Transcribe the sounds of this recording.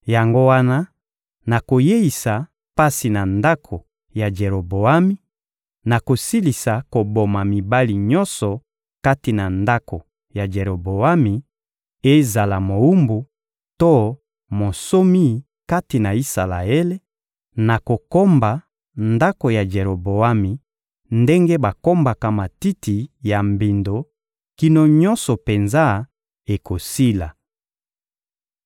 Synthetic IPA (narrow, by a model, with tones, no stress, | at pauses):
ja˨ŋɡo˦wa˦na˦ | na˨ko˨je˦i˨sa˨ | pa˦si˨na˨nda˦kʰo˨ | ja˨d͡ʒe˨ɾo˨bo˨a˦mi˦ | na˨ko˨si˦li˨sa˨ko˨bo˨ma˨mi˨ba˦li˨ɲɔ˦nsɔ˨ | ka˦ti˨na˨nda˦kʰo˨ | ja˨d͡ʒe˨ɾo˨bo˨a˦mi˨ | e˦za˨la˨mo˨u˦mbu˨ | to˦ | mo˨so˦mi˦ | ka˦ti˨na˨i˦sa˨la̰˨e˦le˦ | na˨ko˨ko˦mba˨ | nda˦ko˨ja˨d͡ʒe˨ɾo˨bo˨a˦mi˨ | nde˦ŋɡe˦ba˨ko˦mba˨ka˨ma˨ti˦tʰi˨ja˨mbi˨ndo˨ | ki˦no˨ɲɔ̃˦nsɔ˨pe˨nza˦ | e˨ko˨si˦la˨